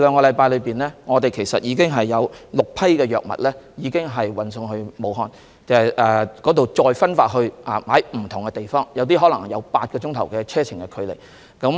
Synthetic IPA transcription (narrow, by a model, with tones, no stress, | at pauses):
lœː˨˧ŋkɔː˧lɐ˨˧jpaː˧jlɵ˨˧piː˨nlɛː˥ŋɔː˨˧t̪e˨jkʰe˨˩jsɐ˨t̚jiː˨˧kɪ˥ŋɦɐ˨jːɐ˨˧wlʊ˨k̚pʰɐ˥jkɛː˧jœː˨˩k̚mɐ̰˨t̚lɛː˥jiː˨˧kɪ˥ŋɦɐ˨jwɐ˨nsʊ˧ŋɦɵ˧ɥmo˨˧wɦɔː˧n | t͡sɛ˨ʔɛː˨kɔː˨˥t̪o˨wt͡sɔː˧jfɐ˥nfaː˧t̚ɦɵ˧ɥʔaː˨maː˨˥jm̩˨˩t̪ʰʊ˨˩ŋkɛ˧t̪e˨jfɔː˥ŋjɐ˨˧wt̪̬iː˥ɦɔ˨˥lɐ˨˩ŋjɐ̰˨˧wpaː˧t̚kɔː˧t͡ʃʊ˥ŋt̪ʰɐ˨˩wkɛː˧t͡sʰɛː˥t͡sʰɪ˨˩ŋkɛ˧kʰɵ˨˧ɥlḛ˨˩j | kɐ˨˥m